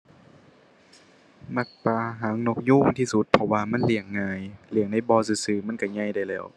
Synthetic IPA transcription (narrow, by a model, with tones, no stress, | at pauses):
ma˧˩k̚paː˧˩ɦaː˨˦ŋno˧k̚juː˧˥˨ŋt̪ʰiː˧˨su˧˦t̪̚pʰɔ˧waː˧ma˧˥˨nli˧˩əŋːaː˧jli˧˩əŋda˧˥˨jbɔː˧sɯː˧sɯː˧˩ma˧˥˨nka˧˩ɲa˧˥˨jda˧˩˨jlɛː˧˩˨w